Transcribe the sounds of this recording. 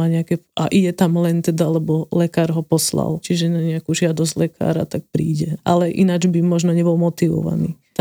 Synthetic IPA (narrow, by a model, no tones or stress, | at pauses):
aɲɛakɛʔaʔiɟɛt̪amlɛnt̪ɛd̪alɛbɔlɛkaːɾɦɔpɔsla̰lt͡ʃiʒɛnaɲɛakuʒɪad̪ɔzɟlɛkʰa̰ːɾa̰t̪ak̚pɾiːɟɛʔalɛʔinad͡ʒbimɔʒnɔɲɛbɔlmɔt̪iʋɔ̰ʋa̰nḭː | t̪